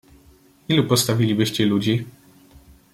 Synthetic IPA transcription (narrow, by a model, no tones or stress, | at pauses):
ilupɔst̪avʲilʲibɘɕt͡ɕɛlud͡ʑi